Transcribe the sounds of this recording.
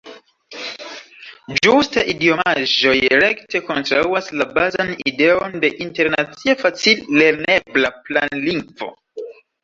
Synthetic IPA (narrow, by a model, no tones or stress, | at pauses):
d͡ʒustaʔidioaʒo̞jɾekte̞ko̞ntɾa̰uaslabazanide̞o̞nde̞ʔinte̞ɾnat͡siafat͡silːe̞ɾne̞blaplanliŋɡvo̞̰